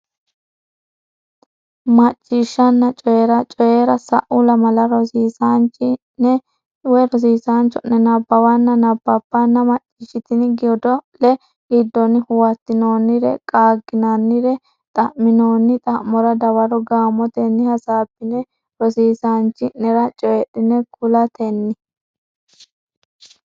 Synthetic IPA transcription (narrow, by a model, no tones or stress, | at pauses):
mɐt͡ʃʼːiːʃːɐnːɐt͡ʃʼɔjeɾɐt͡ʃʼɔjeːɾɐsɐ̰ʔʊlɐmɐlɐɾɔsiːsant͡ʃːɪ | nɛ | wɛɾɔs̬iːsaːnt͡ʃːɔnːɛnɐbːɐwɐnːɐnɐbːɐb̥ːɐnːɐmɐt͡ʃʼːiʃɪt̪ɪnɪɡɪjɔd̪ɔlɛ | ɪd̪ːɔnɪhʊwɐt̪ːɪno̞ːnːɪɾɛ̰kʼaːɡːɪnanːɪɾɛ | t̪ʼɐmːɪnoːnːɪt̪ʼɐʔmːɔɾɐd̪ɐwɐɾɔɡaːmɔt̪ɛnːɪhɐsaːbːɪnɛ | ɾɔsiːsaːnt͡ʃːɪnɛɾɐt͡ʃʼɔjɛɗɪnɛkʊlɐt̪ɛnːɪ